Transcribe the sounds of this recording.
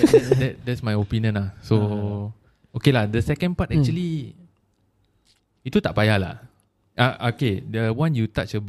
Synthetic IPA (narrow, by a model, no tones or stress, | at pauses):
dɛt̚dɛtsmajopinjə̃nlahso | okelahdəsɛkə̃npatɛk̚t͡ʃuəli | it̪ut̪aʔpajahla̰h | ʔaʔokedəwãnjut̪aʔ̚t͡ʃəb